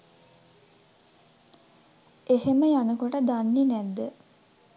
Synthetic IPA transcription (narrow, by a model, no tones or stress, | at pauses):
eɦeməjanəkoʈəd̪anːenæd̪ːə